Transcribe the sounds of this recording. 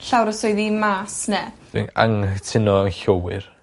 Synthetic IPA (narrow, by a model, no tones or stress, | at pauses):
ɬawɾəsɔjðimaːsnɛ | ɪ̰ŋa̰ŋtʰɪnɔəŋɬowɪr